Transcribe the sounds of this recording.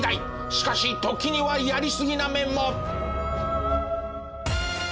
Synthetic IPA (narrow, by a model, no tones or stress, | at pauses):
d̪ai | ɕi̥kaɕit̪o̞kʲiɲ̟iβajaɾʲisɨɡʲinamẽ̞mːo̞